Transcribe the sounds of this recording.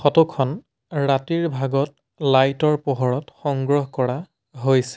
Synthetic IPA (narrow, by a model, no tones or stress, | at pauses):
xɔtɔkʰɔn | ɹatiɹbʱaɡɔt̚ | lajtɔɹpɔɦɔɹɔtxɔŋɡɹɔɦkɔɹa | ɦojsɛ̥